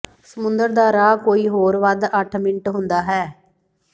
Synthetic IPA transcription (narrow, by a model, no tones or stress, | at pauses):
səmʊnd̪əɾd̪aːɾaːkoːiːɦoːɾʋad̪əʈʰmɪɳʈɦʊnd̪aːɦɛː